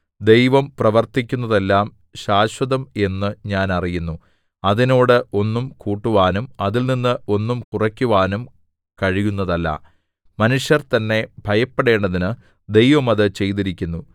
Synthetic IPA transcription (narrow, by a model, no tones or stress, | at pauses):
d̪e̞jʋɐmprɐʋɐrt̪ikʲːunːɐðe̞lːaːm | ɕaːɕwɐðɐme̞nːɨɲaːnɐrijunːu | ɐðino̞ːɽɨʔo̞nːumkuːʈːuʋaːnumɐðilninːɨʔo̞nːumkurɐkʲːuʋaːnum | kɐɻijunːɐðɐlːɐ̰ | mɐnuʂjɐrt̪ɐnːe̞bʱɐjɐpːeɽe̞ːɳɖɐðinɨ | d̪e̞jʋɐmɐðɨt͡ɕe̞jt̪̬iɾikʲːunːu